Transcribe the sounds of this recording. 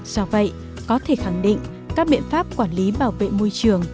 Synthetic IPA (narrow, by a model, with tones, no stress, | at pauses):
zɔ˧və̰˧˨j | kɔ˨˦t̪ʰe˧˩xa˧˩ŋɗḭ˧˨ŋ̟ | kaː˦˥k̚ɓḭ˧˨ənfaː˦˥p̚kwaː˧˩nli˨˦ɓaː˧˩wvḛ˧˨mo˧jt͡ɕɨ˧˩əŋ